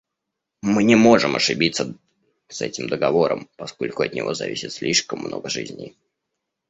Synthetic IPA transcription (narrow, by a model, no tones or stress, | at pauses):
mɨnʲɪmo̞ʐɨmɐʂɨbʲit̪sə | sɛtʲɪmd̪əɡɐvo̞ɾəmpɐsko̞lʲkʊɐt̪nʲɪvo̞zɐ̰vʲisʲɪt̪sʲlʲiʂkəmːnʔo̞̰ɡəʐɨzʲnʲɪ̰